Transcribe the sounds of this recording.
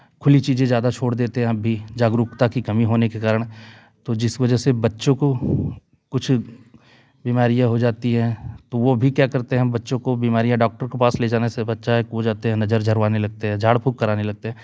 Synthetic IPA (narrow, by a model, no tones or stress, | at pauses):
kʰʊlit͡ʃiːzẽzjaːd̪at͡ʃʰoːɽd̪eːt̪eɦɛ̃ɐbʱːid͡ʒaːɡɾʊkt̪akikɐmiɦoːnekekaːɾəɽ̃ | t̪od͡ʒɪsʋɐd͡ʒəɦsebɐtːʃõko | kʊt͡ʃʰ | biːmaːɾijãɦod͡ʒaːt̪iɦɛ̃t̪oʋobʱikjaːkɐɾt̪eɦɛ̃bɐtːʃõkobiːmaːɾijãɖɔːk̚ʈəɾkepaːsleːd͡ʒaːnesebɐtːʃaɦɛkod͡ʒaːt̪eɦɛ̃nɐd͡ʒəɾd͡ʒʱɐɾʋaːnelɐɡ̚t̪eɦɛ̃d͡ʒʱaːɽpʰʊkːɐɾaːnelɐɡ̚t̪eɦɛ̃ː